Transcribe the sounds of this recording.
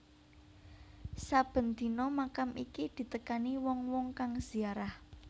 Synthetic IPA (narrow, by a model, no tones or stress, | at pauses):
sab̥ə̤nd̪̥i̤nɔmakamʔikid̪̥i̤t̪əkaniwɔŋwɔŋkaŋz̥iaɾah